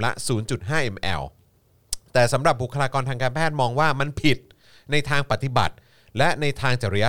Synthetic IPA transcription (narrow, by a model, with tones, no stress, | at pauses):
la̰˦˥suː˩˦nt͡ɕu˨˩t̪̚ɦaː˥˩ʔe˧mʔɛ̰ː˧w | t̪ɛː˨˩sa˩˦mɾa˨˩p̚bu˨˩kʰa˧ɾaː˧kɔː˧nt̪ʰaː˧ŋkaː˧npʰɛː˥˩t̪̚mɔː˧ŋwaː˥˩ma˧npʰi˨˩t̪̚ | na˧jt̪ʰaː˧ŋpa˨˩t̪ːi˨˩ba̰˨˩t̪̚ | lɛ˦˥na˧jt̪ʰaː˧ŋt͡ɕa˨˩ɾa˧ja˦˥